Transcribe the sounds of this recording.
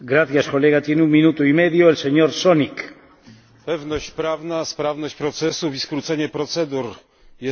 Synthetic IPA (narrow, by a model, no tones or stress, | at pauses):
ɡɾaθjaskoleɣ̞at̪inuminut̪uimeðjoelseɲoɾsonik | pɛvnɔɕt͡ɕpɾavnaspɾavnɔɕt͡ɕpɾɔt̪sɛsufiskɾut̪sɛɲɛpɾɔt̪sɛd̪uɾ | jɛ